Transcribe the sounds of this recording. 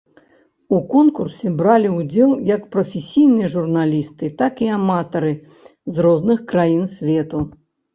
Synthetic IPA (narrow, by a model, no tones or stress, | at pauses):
ukɔnkursʲɛbɾalʲiud͡zʲɛlˠjɐkpɾɐfʲesʲijnɨjɐʐurnalʲist̪ɨt̪akiamat̪ɐɾɨ | zrɔznɨxkɾajinsʲvʲɛt̪u